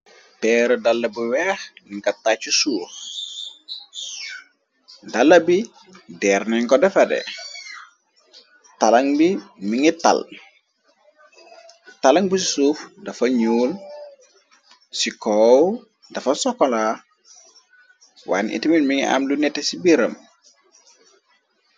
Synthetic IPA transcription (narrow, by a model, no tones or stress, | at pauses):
tɛɾɔdalːɐbuwɛxniŋkɐtːat͡ʃːusuːx | dalːɐbi | dɛɾnɛŋkɔdɛfɐdɛ̰ | talɐŋbimiŋita̰l | talɐŋbusisuːfdɐfɐɲuːl | sikɔːw | dɐfɐsɔkɔla | wa̰ːnʔḭtiminmiŋiʔa̰mlunɛtesibiɾɐm